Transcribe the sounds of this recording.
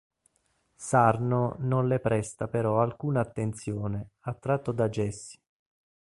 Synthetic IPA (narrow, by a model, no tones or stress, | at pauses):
sarnononlepɾɛst̪apeɾɔalkuːnaːt̪ːent̪sjoːneat̪ːɾat̪ːod̪ad͡ʒɛsːi̥